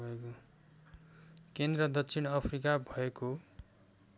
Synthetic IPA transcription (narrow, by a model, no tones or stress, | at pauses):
ʌeko | kend̪rʌd̪ʌsʰinʌpʰrikabʱʌeko